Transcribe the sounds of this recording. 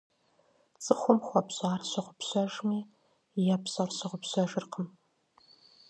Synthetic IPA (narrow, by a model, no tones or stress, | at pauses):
t͡sʼɨχʷʊmχʷɔpɕʼaːrɕɐʁʷʊpɕɐʒmiː | japɕɐrɕɐʁʷʊpɕɐʒɨrqʰəm